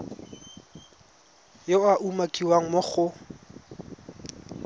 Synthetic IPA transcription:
joaʔumakʼiwaŋ̩mʊχʊ

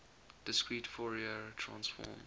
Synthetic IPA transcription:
d̥ɪskɹiːtfɔɹiətʰɹã̰nsfɔ̰m

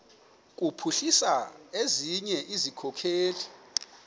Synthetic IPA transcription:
k̬ʼupʰuɬisaeziɲɛʔizikʰɔkʰeːli

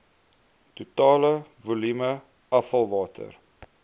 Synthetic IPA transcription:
tutɑːləvulymə | ɐfɐlˠvɑːtʰə̰r

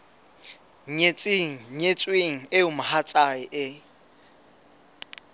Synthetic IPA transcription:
ɲet͡sʼɪŋ̩ɲet͡sʼweŋ̩ɪʊmahat͡sʼaɪʔɪ

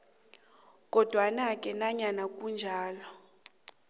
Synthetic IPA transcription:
k̬ʼɔd̥ʱwanakʼɛnaɲanakʼund͡ʒʱaːlɔ

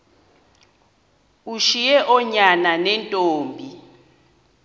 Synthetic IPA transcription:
uʃijɛʔɔɲananɛntʼoːmbʱi

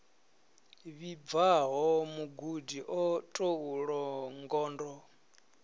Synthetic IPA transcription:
βib̪vaɦɔmuɡudiʔɔtʼouɺɔŋɡɔːndɔ

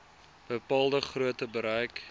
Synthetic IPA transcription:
b̥əpɑːlˠdəχruətəbəɾœjk

